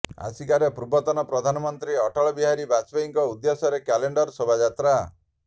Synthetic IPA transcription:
a̰sikaɾepɾubɔt̪ɔnɔpɾɔd̪ʱanɔmɔnt̪ɾiɔʈɔɭɔbiɦaɾibasbeiŋkɔud̪jesɔɾekɛleɳɖɔɾsobʱad͡ʒat̪ɾa

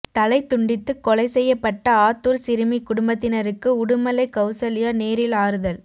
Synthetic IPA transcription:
t̪ɐlɐɪt̪ːʊɳɖɪt̪ːɯkːɔɭɐɪsɛjːɐpːɐʈːɐaːt̪ːuɾsɪɾɯmikʊɽʊmbɐt̪ːɪnɐɾɯkːɯʊɽɯmɐlɐɪkɐʊsɐlɪjɐneːɾɪlaːɾɯðɐl

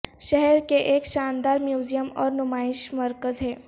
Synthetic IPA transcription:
ʃɛɦɛɾkeʔeːkʃaːnd̪aːɾmjuːd͡ʒijəmɔːɾnʊmaːɪʃməɾkəzɦɛː

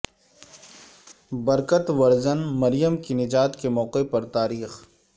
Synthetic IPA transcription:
bɐɾkət̪ʋɐɾzənmɐɾijəmkinɪd͡ʒaːt̪kemɔːqepɐɾt̪aːɾiːx

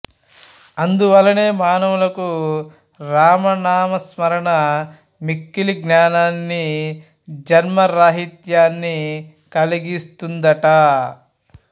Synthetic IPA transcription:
ɐnd̪uʋɐlːɐne̞ːmaːnɐʋulɐku | ɾaːmɐnaːmɐsmɐɾɐɳɐ | mikːiliɡnaːnaːnːi | d͡ʒɐɾmɐɾaːɦit̪jaːnːi | kɐliɡist̪und̪ɐʈɐ

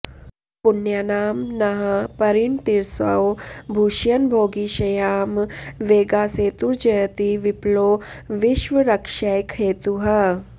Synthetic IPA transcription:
punjɐnaːmnɐɦɐpɐɾiɳt̪iɾsɐ̰wbʱuːʃjɐnbʱoːɡiʃɐjaːmʋeːɡaːseːt̪uɾd͡ʒɐjɐt̪iʋiploː | ʋiʃʋɐɾɐkʃɐjkʰeːt̪uɦɐ

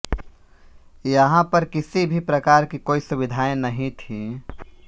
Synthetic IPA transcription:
jəɦãpɐɾkɪsibʱipɾɐkaːɾkikoːisʊbɪd̪ʱaːẽnɐɦĩt̪ʰiː

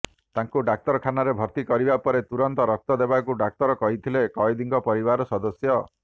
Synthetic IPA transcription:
t̪aŋkuɖak̚t̪ɔɾɔkʰanaɾebʱɔɾt̪ikɔɾibapɔɾet̪uɾɔnt̪ɔɾɔk̚t̪ɔd̪ebakuɖak̚t̪ɔɾɔkɔɦit̪ʰilekɔid̪iŋɡɔpɔɾibaɾɔsɔd̪ɔsjɔ

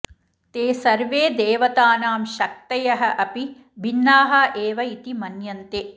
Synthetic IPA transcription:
t̪eːsɐɾʋeːd̪eːʋɐt̪aːnaːmʃɐk̚t̪ɐjɐɦɐʔɐpi | bʱinːaːɦɐʔeːʋɐit̪imɐnjɐnt̪eː

